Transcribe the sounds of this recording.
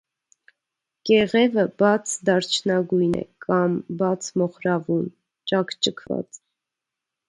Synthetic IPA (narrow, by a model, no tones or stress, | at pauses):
kɛʁɛvəbɑt͡sʰd̪ɑɾt͡ʃʰnɑɡujnɛ̰kʰɑmbɑt͡sʰmɔχɾɑvun | t͡ʃɑkʰt͡ʃəkʰvɑ̰t͡s